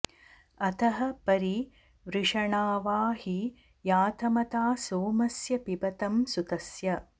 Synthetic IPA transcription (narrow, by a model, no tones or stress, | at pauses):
ɐt̪ʰɐɦɐ̆pɐɾi | ʋɾɪʂɐɳaːʋaːɦi | jaːt̪ʰɐmɐt̪aːsoːmɐsjɐpibɐt̪ɐmsut̪ɐsjɐ